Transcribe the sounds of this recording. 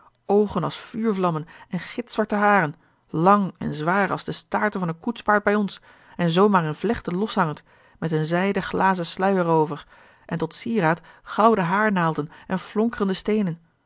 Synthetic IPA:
owχənɑlˠsfyːɹvlɑmənɛnχɪtsʋɑɹtəɦaːrən | lɑŋɛ̰nzʋaːrɑ̰lˠzdəstaːɹtəvɑnətkutspaːɹd̚bɛjɔns | ɛnzowmaːɹənvlɛχtəlɔsɦɑŋənt | mɛtənzɛjdəχlʔaːzəslœɥərowvəɹ | ʔɛntɔtsiːraːtχɑwdəɦaːɹnaːlˠdənʔɛnflʊŋkərəndəstejnən

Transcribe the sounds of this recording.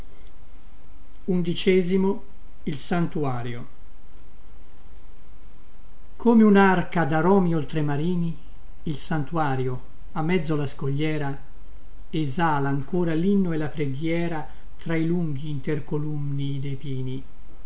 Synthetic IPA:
und̪it͡ʃɛːzimo | ilsant̪uaːɾjo | kʰoːmeunarkad̪aɾɔːmiolt̪ɾemaɾiːniː | lsant̪uaːɾjo | amːɛd̪zːolaskoʎːɛːɾa | ezaːlaːŋkoːɾalinːoelapɾeɡjɛːɾa | t̪ɾailuŋɡiːnt̪erkolumniːd̪ejpiːni

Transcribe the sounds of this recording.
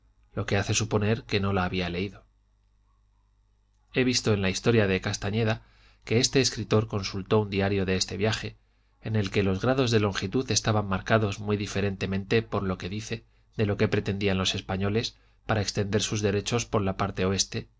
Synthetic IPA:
lo̞ke̞aθe̞supo̞ne̞ɾke̞no̞laːβiale̞iðo̞ | e̞β̞ist̪o̞e̞nlaist̪o̞ɾjaðe̞kast̪aɲe̞ða | ke̞est̪e̞ːskɾit̪o̞ɾko̞nsult̪o̞und̪iaɾjo̞ðe̞est̪e̞βjaxe̞ː | ne̞lke̞lo̞zɣɾaðo̞zðe̞lo̞ŋxit̪uθe̞st̪aβamːaɾkaðo̞zmwiðife̞ɾe̞nt̪e̞mẽ̞nt̪e̞po̞ɾlo̞ke̞ðiθe̞ | ðe̞lo̞ke̞pɾe̞t̪e̞nd̪ianlo̞se̞spaɲo̞le̞s | paɾaekst̪e̞nd̪e̞ɾsuzðe̞ɾe̞t͡ʃo̞spo̞ɾlapaɾt̪e̞o̞e̞st̪e̞

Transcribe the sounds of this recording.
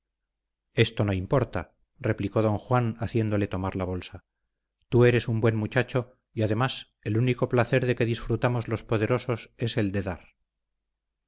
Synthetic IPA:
e̞st̪o̞no̞impo̞ɾt̪a | re̞pliko̞ðõ̞ŋxwanaθje̞nd̪o̞le̞t̪o̞maɾlaβ̞o̞lsa | t̪ue̞ɾe̞sumbwe̞nmut͡ʃat͡ʃo̞ | iaðe̞mas | e̞luniko̞plaθe̞ɾðe̞ke̞ðisfɾut̪amo̞zlo̞spo̞ðe̞ɾo̞so̞se̞se̞ld̪e̞ðaɾ

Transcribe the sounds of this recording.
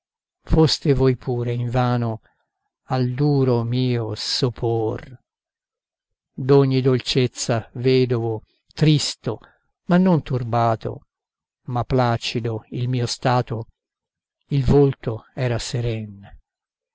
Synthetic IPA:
fost̪evɔjpʰuːɾeiɱvaːno | ald̪uːɾomiːosopʰor | d̪ɔɲːid̪olt͡ʃet̪sːavɛːd̪ovo | t̪ɾist̪o | manːont̪urbaːt̪o̰ | mapːlaːt͡ʃid̪oilmiːost̪aːt̪o | ilvolt̪oɛːɾaseɾɛn

